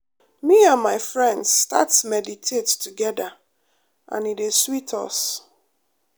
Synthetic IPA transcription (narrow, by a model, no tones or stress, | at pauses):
miãnmaɪfɹɛ̃ndsta̰tsmɛditʰettuɡɛda | ʔã̰nideswitʰɔ̰s